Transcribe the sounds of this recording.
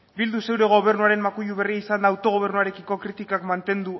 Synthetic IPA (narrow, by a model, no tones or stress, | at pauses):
bild̪use̞wɾe̞ɣ̞o̞β̞e̞ɾnuaɾe̞mmakuʎuβe̞riaisand̪aːwt̪o̞ɣ̞o̞β̞e̞ɾnuaɾe̞kiko̞kɾit̪ikakmant̪e̞nd̪u